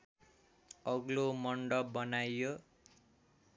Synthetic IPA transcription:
ʌɡlomʌɳɖʌbʌnajjo

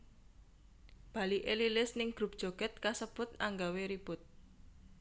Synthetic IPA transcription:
b̥a̤liʔelilɪsnɪŋɡ̥ɾup̚d̥ʒ̥ɔ̤ɡ̥ɛt̪̚kasəb̥ʊt̪̚ʔaŋɡaweɾib̥ʊt̪̚

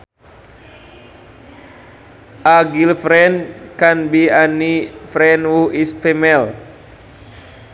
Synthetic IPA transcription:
ʔaɡilfɾɛnkanbianifɾɛnwuisfɛmɛl

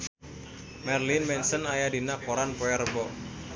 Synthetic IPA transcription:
mɛrlinmɛnsənajadinakɔɾanpɔɛrəbɔʔ

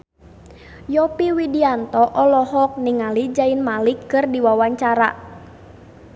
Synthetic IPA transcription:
jɔpiwidiant̪ɔʔɔlɔhɔk̚niŋalid͡ʒainmalikːɨrdiwawaɲt͡ʃaɾa̰

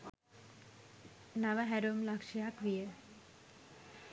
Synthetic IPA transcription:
naʋɐɦɛɾumlakʂijakʋijə

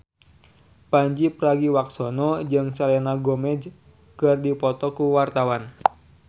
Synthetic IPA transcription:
paɲd͡ʒipɾaɡiwaksonɔd͡ʒɨŋsalenaɡomɛd͡ʒ | kɨrdipɔt̪ɔkuwart̪awan

